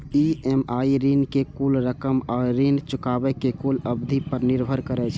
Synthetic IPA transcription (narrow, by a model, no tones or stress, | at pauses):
iemaiɾinkekulɾəkəmɔːɾːint͡ʃʊkaːbɛkekuləbd̪ʱipəɾnɪɾbʱəɾkəɾɛt͡ʃʰɛ